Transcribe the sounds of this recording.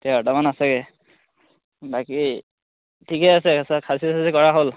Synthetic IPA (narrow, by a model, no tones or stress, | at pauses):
tɛatamanasɛɡɛ | baki | tʰikɛasɛasakʰasisasikɔɹaɦol